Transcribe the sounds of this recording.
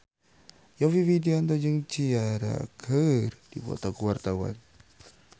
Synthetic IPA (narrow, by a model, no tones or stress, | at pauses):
jɔfivideoant̪ɔd͡ʒəŋt͡ʃiaɾa̰kʰərd̥iwɔ̰t̪ɔkuwart̪awa̰n